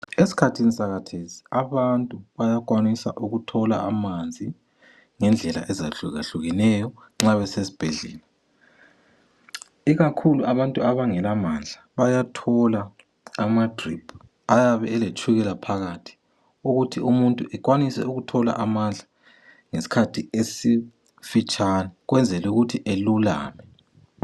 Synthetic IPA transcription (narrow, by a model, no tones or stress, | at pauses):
esi̥kʰatʰinisaɣatʰezi̥aβantʼuβajak̬ʼwanisa̰ʔuɣutʰɔla̰ʔamand͡zʱi | ŋɛnd͡ɮʱɛla̰ʔɛza̰ɬuza̰ɬuɣinɛjɔ | ŋ͡ǁaβɛsesi̥b̥ʱɛ̰ɮɛ̰ːla | iɣakʰuluʔaβantʼuaβaŋɛlamand͡ɮʱaβajatʰɔlaː | madripʰu | ajaβɛːlet͡ʃʰʼuɣɛlapʰaɣatʰi̥ | uɣutʰiumuntʼuʔɛkwanisɛ̰uɣutʰɔla̰ʔamand͡ɮʱa | ŋesi̥kʰatʰiesi | fit͡ʃʼanɛɣwɛnd͡zʱɛluɣutʰiʔelula̰ːmɛ